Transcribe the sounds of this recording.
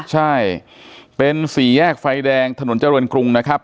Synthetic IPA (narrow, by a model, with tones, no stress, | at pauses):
t͡ɕʰa˥˩j | pe˧nsiː˨˩˦jɛː˥˩k̚fa˧jdɛː˧ŋt̪ʰa˧no˩˦nt͡ɕa˧ɾɤː˧nkɾu˧ŋna˦˥kʰɾa˦˥p̚